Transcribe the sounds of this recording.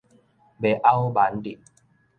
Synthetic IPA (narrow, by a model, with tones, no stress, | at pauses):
be˨ʔa˦wba˨˦ndi˨